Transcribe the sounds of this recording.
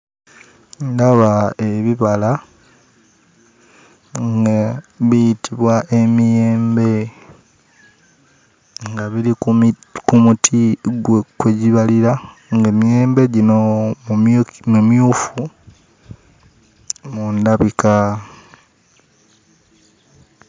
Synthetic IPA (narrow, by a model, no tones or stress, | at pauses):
ndaβaeβiβala | ŋɡaβijitiβwaʔe̞mijeːmbe̞ | ŋɡaβilikumutʰiɡwekweɟiβaliɾaŋɡemijeːmbe̞ɟinomumumjuːfu | mundaβika